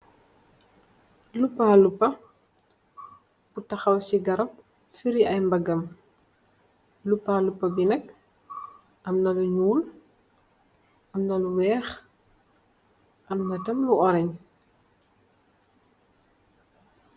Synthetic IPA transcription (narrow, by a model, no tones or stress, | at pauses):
lupːaːlupːɐ | butɐxɐwsiɡɐɾɐp̚ | fiɾiɐjmbɐɡɐm | lupːaːlupːɐbinɐk̚ | ʔɐmnɐluɲuːl | ʔɐmnɐluwɛːx | ʔɐmnɐtɐmluɔɾɐɲ